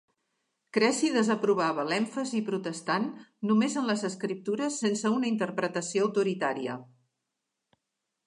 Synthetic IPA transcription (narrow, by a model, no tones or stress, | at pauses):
kɾɛsiðəzəpɾuβ̞aβəlɛɱfəzipɾut̪əst̪anːumezənləzəskɾip̚t̪uɾəsːensəunəint̪əɾpɾət̪əsioəwt̪uɾit̪aɾiə̰